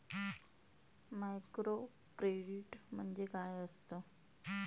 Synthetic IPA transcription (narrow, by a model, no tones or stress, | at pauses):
majkɾo | kɾeɽiʈm̤əɳd͡zekajəst̪ə